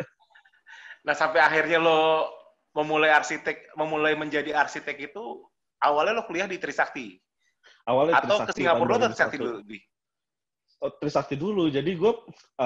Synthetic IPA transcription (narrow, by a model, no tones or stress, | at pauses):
nahsampɛaxirɲalo | məmulajarsit̪ɛk̚məmulajməɲd͡ʒadiarsit̪ɛkit̪u | ʔawalɲalohkəliahdit̪əɾisak̚t̪i | awalɲaat̪awkəsiŋapʊrloɔt̪ut̪ɾisat̪idudɪ | t̪ɾisak̚t̪idulud͡ʒadiɡua